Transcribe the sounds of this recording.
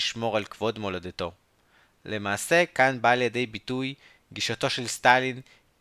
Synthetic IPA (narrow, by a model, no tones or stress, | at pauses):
iʃmo̞ʁalkv̥o̞dmo̞ladeto̞ | le̞maːse̞kanbaːljede̞jbituj | ɡiʃato̞ʃelst̪alin